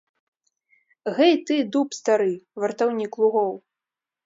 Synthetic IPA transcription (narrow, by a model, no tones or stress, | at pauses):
ɣɛjt̪ɨd̪upst̪aɾɨvɐrt̪awnʲiklˠuɣɔw